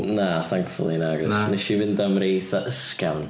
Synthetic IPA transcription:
naθaŋkfʊ̰lˠinaɡɔsnɛʃivɪndamɾeːθaʔəskawn

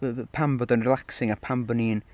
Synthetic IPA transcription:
pʰambɔdənrɪlˠaksɪ̃ŋəpʰãmbəniːn

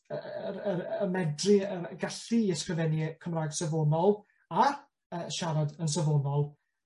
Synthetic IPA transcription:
əəɾəmɛdrɪəɡaɬiːɛskrəvɛnikʰəmraːɡsəvonɔlˠ | ar | əʃaɾadəns̬əvonɔlˠ

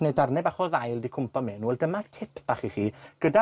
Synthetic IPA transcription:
nedarnɛbaχɔðajlˠdikʰʊmpʰɔmɛnuɛldəmatʰɪpʰb̥aːχiχiːɡ̥əda

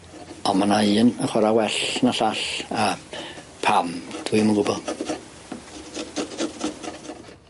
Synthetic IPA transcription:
ɔnmanaɨənəχwɛɾawɛɬnaɬaɬə | pʰamd̥ʰwiməɡʊbɔlˠ

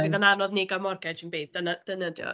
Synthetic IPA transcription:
viðananɔðnɪɡamɔrɡɛdtʰinbeːdənəd̥ənədjɔ̰

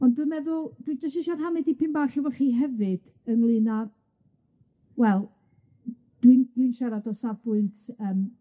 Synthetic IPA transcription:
ɔndɨmɛðʊlˠd̥wid͡ʒɔstiʃarɦamɨdipʰɨnbaɬɔvɔχiːɦɛvɨd̥ | ənlˠɨna | wɛlˠ | d̥windwinʃɛɾadɔsabʊɨntʰəːm

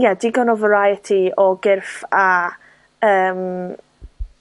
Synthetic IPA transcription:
jadiːɡɔnɔvəɾajətʰiɔɡɪrfa | əːm

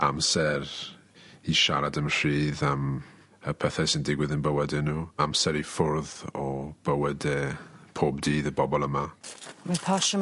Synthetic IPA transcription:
amsɛr | iʃaɾadəmr̥iːðam | əpʰəθɛsəndɪɡwɪðənbəwɛdɛnuːamsɛɾifʊɾðɔb̥əwɛdɛpʰoːbdiːðəbɔbɔlˠəmamanpʰɔʃə

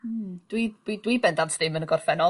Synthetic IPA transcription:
d̥widwidwibɛndantʰðɪmənəɡɔrfɛnɔ

